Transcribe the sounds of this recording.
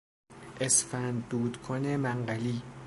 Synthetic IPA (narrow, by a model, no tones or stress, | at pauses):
ʔesfænd̪ːuːd̪kʰonemæɴɢæliː